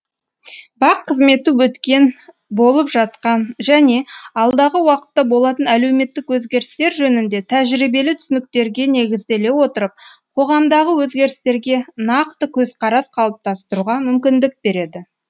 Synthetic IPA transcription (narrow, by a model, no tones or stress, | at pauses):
bɑqʰːəzme̞t̪ɪwɵt̪kʲe̞n | bo̞lˠəpʒɑt̪qɑnʒæne̞ɑlˠd̪ɑʁəwɑqə̥t̪ːɑbo̞lˠɑt̪ənæle̞wme̞t̪ːɪkwɵzɡʲe̞ɾɪst̪e̞ɾʒɵnɪnd̪e̞t̪ʰæʒɾijbe̞lɪt̪ʰʏsɪnɪk̚t̪e̞ɾɡʲe̞ne̞ɡʲɪzd̪e̞le̞wo̞t̪əɾəp̚qʰo̞ʁɑmd̪ɑʁəwɵzɡʲe̞ɾɪst̪e̞ɾɡʲe̞nɑqt̪əkʲʰɵzqʰɑɾɑsqʰɑlˠəp̚t̪ʰɑst̪əɾuʁɑmʏmkʲɪnd̪ɪk̚be̞ɾe̞d̪ɪ